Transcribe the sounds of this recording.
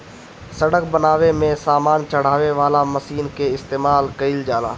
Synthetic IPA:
səɽək̚bənaːʋemẽsaːmaːnt͡ʃɐɽ̤aːʋeʋaːlamɐsiːnkeɪst̪eːmaːlkəɪld͡ʒaːla̰ː

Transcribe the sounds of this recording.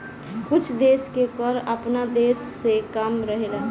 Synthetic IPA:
kʊt͡ʃʰd̪eːskekəɾəpnad̪eːsːekamɾəɦela

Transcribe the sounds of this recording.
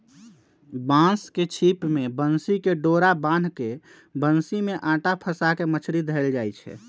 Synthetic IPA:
bãsket͡ʃʰipmebənsikeɖoɾabãnke | bənsimeʔãːʈapʰəsakemət͡ʃʰɾid̪ʱəeld͡ʒajt͡ʃʰɛ̰

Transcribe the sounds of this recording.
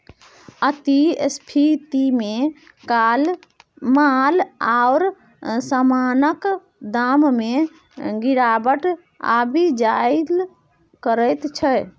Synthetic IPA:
ət̪iespʰit̪ime | kal | malaʊɾ | samanək | d̪amme | ɡiɾabəʈ | a̰bid͡ʒaɪl | kəɾəjt̪t͡ʃʰə

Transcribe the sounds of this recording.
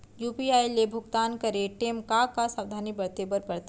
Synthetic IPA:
juːpiaːjlebʱʊɡt̪aːnkɐɾeʈeːmkakasaːʋd̪ʱaːnibɐɾt̪eːbəɾpɐɾt̪

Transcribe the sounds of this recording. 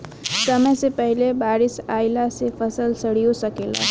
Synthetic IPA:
səməjsepəɦilebaːɾisaɪlasepʰəsəlsəɽ̤ijosəkela̰

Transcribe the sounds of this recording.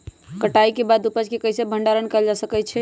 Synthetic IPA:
kəʈaikebad̪upəd͡ʒkekəjsebʱəɳɖaɾənkəld͡ʒasəkɛt͡ʃʰɛ

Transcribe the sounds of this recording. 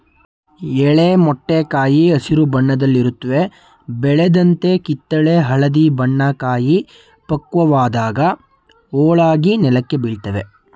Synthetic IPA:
ɛɭemɔʈːekaːjiɐsiɾubɐɳːɐd̪ɐlːiɾut̪ːɐʋe̞ | bɛɭɛd̪ɐnt̪e̞kit̪ːɐɭeɦɐɭɐd̪ibɐɳːɐkaːji | pɐkːʋɐʋaːd̪aːɡɐ | ɔːɭaːɡinɛlɐkːe̞biɭt̪ɐʋe̞

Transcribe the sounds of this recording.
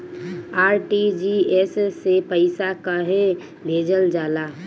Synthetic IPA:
aːɾʈid͡ʒiessepəɪsakəɦe | bʱeːd͡ʒəld͡ʒaːla

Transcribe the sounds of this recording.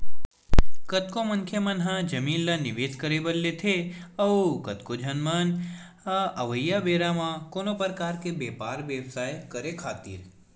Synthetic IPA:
kɐt̪komɐŋkʰjəmənɦãd͡ʒɐmiːnlanɪʋeːd̪kəɾebəlːet̪ʰeɐukɐt̪kod͡ʒʱənmən | hãɐʋəjːabeːɾamãkoːnopɾəkaːɾkebeːpaːɾʋjəwsaːjkəɾekʰaːt̪ḭːɾ

